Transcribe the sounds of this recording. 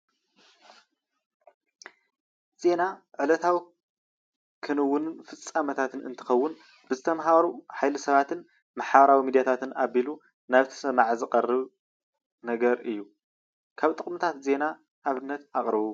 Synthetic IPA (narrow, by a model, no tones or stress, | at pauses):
z̥e̞naʕɨlɐt̪ʰawi | kʰɨnɨwːʊnɨnfɨt͡sʼːamɐt̪ʰat̪ʰɨnɨ̰nt̪ʰɨ̥xɐwːʊn | b̥ɨzɨt̪ʰɐmɦaɾuħajlɨsɐβat̪ʰɨn | maħaβɐɾawimid̪jat̪ʰat̪ʰɨnʔaβilu | naβt̪ʰɐ̥sɐmaʕzɨqʼɐrːɨβ | nɐɡɐɾɨjːu | kʰaβt̪ʼɨχʼmɨt̪ʰat̪ze̞na | ʔːβɨnːɐt̪aχʼɾɨβu